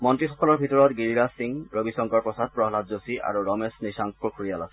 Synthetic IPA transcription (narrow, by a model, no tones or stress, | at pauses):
mɔntɹixɔkɔlɔɹbʱitɔɹɔtɡiɹiɹasiŋɹobisɔŋkɔɹpɹɔsad̚pɹɔɦlatzosiʔa̰ɹuɹɔmesnisaŋpɔkʰuɹijalasɛ̥